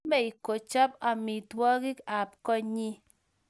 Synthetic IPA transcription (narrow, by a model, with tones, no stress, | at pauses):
be˦i˨ko˨t͡ʃa˦pa˨mi˨twɔ˦ɡi˦ka˨p̚kɔ˦ɲi˦